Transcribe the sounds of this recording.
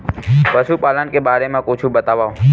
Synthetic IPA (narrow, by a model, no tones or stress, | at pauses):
pəʃupalənkebaɾemãkõt͡ʃʰũbət̪aʋa